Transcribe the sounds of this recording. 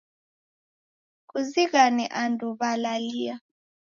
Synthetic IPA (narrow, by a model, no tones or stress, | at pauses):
kuziɣanɛʔanduβalalia